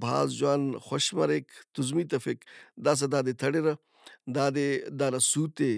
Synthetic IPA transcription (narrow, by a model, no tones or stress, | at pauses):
bʱa̰ːzd͡ʒwaːnxoʃmɐɾekt̪uzmiːt̪ɐfekd̪aːs̬ɐd̪aːd̪et̪ʰɐɽeɾɐ | d̪aːd̪ed̪aːɾɐsuːt̪e